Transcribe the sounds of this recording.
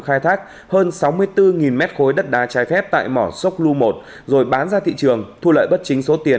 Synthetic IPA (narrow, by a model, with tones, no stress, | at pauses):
xaː˧jt̪ʰaː˦˥k̚ | həː˧nsa˨˦wmɨ˧əjt̪ɨ˧ŋi˨˩nmɛ˦˥t̚xo˨˦jɗə˦˥t̚ɗaː˨˦t͡ɕaː˨˦jfɛ˦˥p̚t̪a̰ː˧˨jmɔ˧˩sə˦˥wk͡p̚lu˧mo˨˩t̚ | zo˨˩jɓaː˨˦nzaː˧t̪ʰḭ˧˨t͡ɕɨ˨˩əŋt̪ʰu˧lə̰ː˧˨jɓə˦˥t̚t͡ɕï˨˦ŋ̟so˨˦t̪i˨˩ən